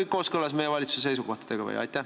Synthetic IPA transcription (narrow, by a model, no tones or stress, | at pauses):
jkːo̞ːskɤlːɑs̬mejevɑlʲit̪susse̞jsuɡo̞ht̪ɑ̥d̪̥e̞ɡ̥ɑvḛjɑ̰jt̪ːæ